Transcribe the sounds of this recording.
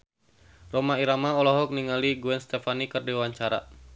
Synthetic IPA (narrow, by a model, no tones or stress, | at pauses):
romaiɾamaɔlɔɦɔk̚niŋaliɡuɛnst̪ɛfanikərdiwaɲt͡ʃaɾa̰